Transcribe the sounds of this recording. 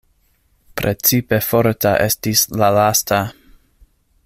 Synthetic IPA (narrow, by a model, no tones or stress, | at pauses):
pɾet͡sipe̞foɾtaʔe̞stislalastʰa